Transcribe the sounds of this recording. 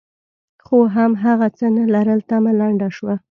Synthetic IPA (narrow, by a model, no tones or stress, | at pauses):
xoɦamɦaɣat͡sənalaɾəlt̪amalaɳɖaʃwa